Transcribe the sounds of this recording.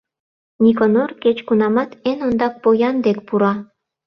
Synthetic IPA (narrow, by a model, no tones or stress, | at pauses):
nʲikonorket͡ɕkunɑmɑt̪enond̪ɑk̚pojɑnd̪ek̚puɾɑ